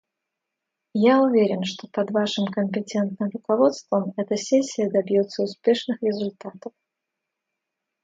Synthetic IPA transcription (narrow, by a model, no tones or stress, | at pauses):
jaʊvʲeɾʲɪnʂt̪opɐd̪vaʂɨmkəmʲpʲɪtʲɛnt̪nɨmrʊkavot̪st̪vəmɛt̪əsʲesʲːɪjəd̪ɐbʲjot̪səʊspʲeʂnɨxɾʲɪzʊlʲt̪at̪əf